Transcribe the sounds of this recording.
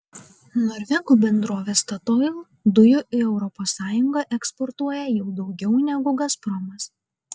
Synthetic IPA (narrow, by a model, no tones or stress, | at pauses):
nɔɾʲʋʲɛɡuːbʲɛnd̪ɾoːʋʲeːst̪ɐt̪ɔɪlˠ | d̪ʊjʊʔɪɛʊɾɔpɔːsːɑːjʊŋɡɐʔɛkspɔɾt̪uɔjɛjɛʊd̪ɒʊɡʲɛʊnʲɛɡʊɡɐspɾɔmɐs